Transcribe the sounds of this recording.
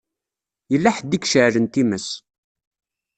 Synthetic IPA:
jəlːæħəd̪ikʃəʕɾənt̪iməs

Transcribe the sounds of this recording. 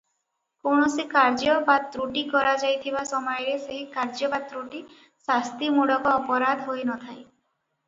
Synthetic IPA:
koɳɔsikaɾd͡ʒɔbad̪̚ɾuʈikɔɾad͡ʒajt̪ʰibasɔmɔjɔɾeseɦikaɾd͡ʒɔbad̪ɾuʈi | sast̪imuɽɔkɔːpɔɾad̪ʱɦojnɔt̪ʰaj

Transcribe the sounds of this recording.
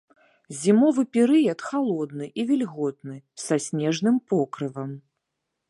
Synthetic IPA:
zʲimɔvɨpʲɛɾɨjɐt̪xalˠɔd̪nɨʔivʲilʲɣɔt̪̚nɨsasʲnʲɛʐnɨmpɔkɾɨvɐm

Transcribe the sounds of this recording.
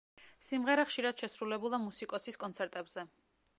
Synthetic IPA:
simʁɛɾaχʃiɾad̪̥ʃɛsɾulɛbulˠamusikʼɔsiskʼɔnsʰɛɾt̪ʼɛbz̥ɛ

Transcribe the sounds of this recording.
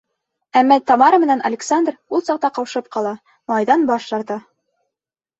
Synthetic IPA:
æmːɑt̪ɑmɑɾəmɘ̆nænɐ̰lʲɪksand̪rulˠsɑq̚t̪ɑqɑwʃɤp̚qɑlˠɑ | mɑjðɑnbɑʃʃɑɾt̪ɑ

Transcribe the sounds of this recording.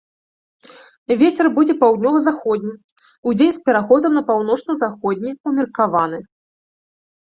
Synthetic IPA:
vʲet͡sʲɛrbud͡zʲɛpawd̪ʲnʲɔvɐzaxɔd̪ʲnʲi | ud͡zʲenʲspʲɛɾaxɔd̪ɐmnɐpawnɔt͡ʂnɐzaxɔd̪ʲnʲiumʲɐrkavanɨ

